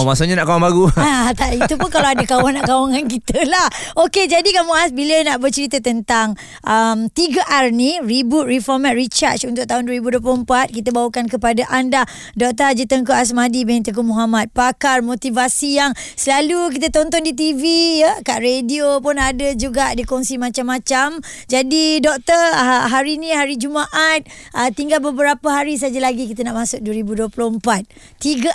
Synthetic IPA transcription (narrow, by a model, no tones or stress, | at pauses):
masuʔɲanaʔkawaŋbaɡuat̪aʔit̪upunkalaadakawanaʔkawaŋankit̪əlahoked͡ʒadikamuʔasbilənaʔbərt͡ʃəɾit̪ət̪ənt̪aŋ | ʔəmt̪iɡəʔarniribut̪̚rifɔrmat̪̚rit͡ʃa̰t͡ʃunt̪ʊk̚t̪aɦʊndwəɾibuduəp̬luəmpat̪̚kit̪əbawukankəpadaʔanda | dɔk̚t̪ad͡ʒət̪əŋk̬oʔas̬madibɛnt̪ək̬umuɦamat̪̚pakarmot̪ivasijaŋsəlaluk̬it̪ət̪ɔnt̪ɔndit̪̬ivijəkaʔɾediopʊnadəd͡ʒuɡadikɔŋsimãt͡ʃamːãt͡ʃamd͡ʒadidɔk̚t̪əɦaɾinĩɦaɾid͡ʒumaʔat̪̚ət̪iŋɡalbəbəɾapəɦaɾis̬ad͡ʒalaɡikit̪ənaʔmãsʊk̚duwəɾibuduəplompat̪̚ː | iɡə